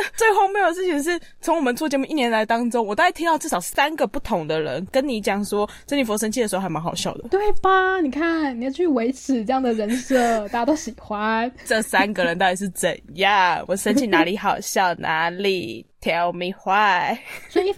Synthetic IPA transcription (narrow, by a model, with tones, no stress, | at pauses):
t͡swe˥˧ɪxo˥˩ʊme˥jo˨˩d̪ə˩ʂɻ̩˥˩t͡ɕʰi˨˩ʂ̬ɻ̩˥˩ | t͡sʰo˧˥ŋwɔ˨˩mə˨˦nt͡sʰɔ˥˩t͡ɕjɛ˧˥mu˥˧ʔi˥˩njɛ˧˥nla˧˥ɪt̪ɑ˥ŋʈ͡ʂʊ˥ŋwt̪i˨˥t̪ʰi˥ŋt̪ɑ˥˧ʈ͡ʂ̩˥˩ʂɑ˨˩ʊsa˥nɡə˨pu˥˩t̪ʰʊ˧˥ŋd̪ə˨ɻə̰˧˦nkə˦˥nni˧˥t͡ɕjɑ˨˩ŋʂwɔ˥t͡sə˥ni˨˩fwɔ˧˥ʂ̬ə˥nt͡ɕʰi˥˩ə˩ʂ̩˧˥˧xa˧˥ɪma˧˥ŋxɑ˨˩ʊɕjɑ˥˩ʊd̪ə˩t̪we˥˩ɪba˨˩ni˨˩kʰa˥˩nni˨˩jʊt͡ɕʰy˥˩we˧˥ɪʈ͡ʂ̩ʰ˨˩ʈ͡ʂɤ˥˧jɑ˥˩ŋd̪ə˩ɻə˧˥nsɤ˥˩t̪a˧t̪o˥˩ʊɕi˨˩xwa˦˥nʈ͡ʂə˥˩sa˥nɡə˨ɻə˧˦nt̪ɑ˥˧i˨˩ʂɻ̩˥˩t͡sə̰˨˩nja˥˩wɔ˨˩ʂə˧˥nt͡ɕʰi˥˩na˧˥li˨˧˥xɑ˨˩ʊɕjɑ˥˩ʊnʔa̰˧˥li˨˩t̪ʰjɑ˧˥ʊmi˧xwa˥˩swɔ˧˥i˧i˥